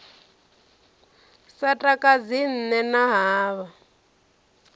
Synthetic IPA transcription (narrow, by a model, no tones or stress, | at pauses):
satʼakʼad͡zin̩nɛnaɦaːβa